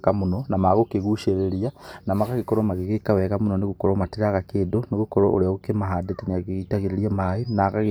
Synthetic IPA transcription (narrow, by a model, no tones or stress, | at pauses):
kamunonamaɣukeɣuʃeɾeɾjanamakakikoɾomaɣikekawekamunoniɣukoɾomatiɾaɣakedoniɣukoɾo̰o̰ɾiaɣukemaɦadeteniakiitaɣiɾeɾjamajonakaɣi